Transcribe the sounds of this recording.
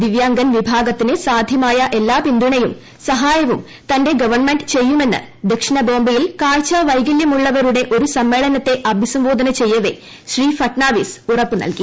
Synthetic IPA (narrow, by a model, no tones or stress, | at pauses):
d̪iʋjaːŋɡɐnʋibʱaːɡɐt̪ːinɨsaːd̪ʱjɐmaːjɐʔelːaːpind̪ʱuɳɐjum | sɐɦaːjɐʋum | t̪ɐnde̞ɡɐʋɐrɳmenɖɨt͡ɕe̞jːume̞nːɨ̰ | d̪ekʂinɐbo̞ːmbɐjilkaːɻt͡ɕaʋɐjɡiljɐmuɭːɐʋɐɾuɽe̞ʔo̞ɾusɐmːe̞ːɭɐnɐt̪ːe̞ʔɐbʱisɐmbo̞ːd̪ʱɐnɐt͡ɕe̞jːɐʋe̞ | ɕriːfɐʈnaːʋisurɐpːɨnɐ̰lki